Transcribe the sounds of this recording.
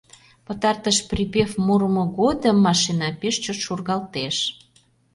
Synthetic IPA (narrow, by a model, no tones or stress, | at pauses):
pə̆t̪ɑrt̪əʃpripefmuɾəmŏɣod̪əmːɑʃinɑpeʃt͡ɕot̪ʃurɣɑlt̪eʃ